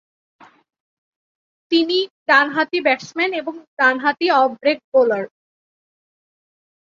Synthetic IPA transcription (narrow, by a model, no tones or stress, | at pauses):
t̪iniɖanɦat̪ibɛʈsmɛneboŋɖanɦat̪iɔbbɾek̚bolaɾ